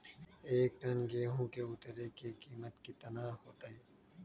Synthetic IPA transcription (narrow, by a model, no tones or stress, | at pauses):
eːk̚ʈɐnɡeːɦõːkeʊt̪ɾekikiːmət̪kit̪ɐnaːɦoːt̪aiː